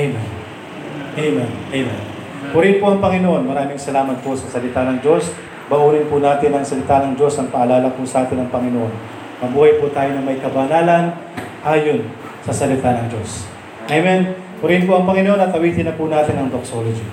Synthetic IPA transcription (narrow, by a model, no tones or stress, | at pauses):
ʔejmɛn | ʔɐjmɛnʔɐjmɛ̰n | hʊɾɪnpoʔɐŋpɐŋɪnoʔo̞nmɐɾaːmɪŋsɐlaːmɐt̪̚posɐsɐlɪt̪anɐŋd͡ʒo̞s | bɐʔuːnɪnpʊnaːt̪ɪnɐŋsɐlɪt̪anɐŋd͡ʒo̞sɐŋpɐʔɐlaːlɐpʊsɐʔaːt̪ɪnɐŋpɐŋɪnoʔo̞n | mɐbuːhɐjpʊt̪aːjonɐmɐjkɐbɐnaːlɐn | ʔaːjo̞n | sɐsɐlɪt̪anɐŋd͡ʒo̞s | ʔɐjmɛn | pʊɾɪnpoʔɐŋpɐŋɪnoʔonɐt̪̚kɐwiːt̪ɪnɐpunaːt̪ɪnɐŋd̪oksolod͡ʒi